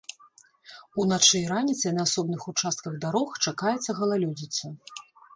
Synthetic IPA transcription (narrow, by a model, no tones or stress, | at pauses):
unat͡ʂɨjɾanʲit̪sɐjnɐːsɔbnɨxut͡ʂast̪̚kɐɣd̪aɾɔxt͡ʂakajɛt̪sːɐɣɐlˠalʲud͡zʲit̪sːɐ